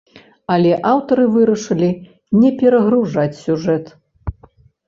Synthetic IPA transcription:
ɐlʲɛʔawt̪ɐɾɨvɨɾɐʂɨlʲi | nʲɛpʲɛɾɐɣɾuʐat͡sʲsʲuʐɛt̪

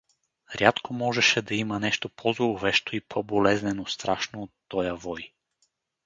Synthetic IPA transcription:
ɾʲjat̪komɔʒɛʃɛd̪ɐimɐnɛʃt̪opʰɔzolˠʊvɛʃt̪oipʰɔbolɛznɛnost̪ɾaʃnoːt̪ːɔjəvɔj

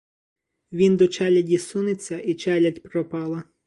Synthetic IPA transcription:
ʋʲind̪ɔt͡ʃɛlʲɐdʲisunet͡sʲːɐʔit͡ʃɛlʲɐtʲpɾɔpɑlˠɐ

